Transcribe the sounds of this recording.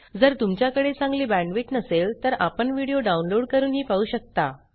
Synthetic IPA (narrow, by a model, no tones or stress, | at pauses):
d͡zəɾt̪umt͡ɕjakəɽet͡sãŋɡliːbæ̃ɳɖʋiʈnəselt̪əɾapəɳʋiɽijoɖaunloɽkəɾuːnɦiːpauːɕək̚t̪a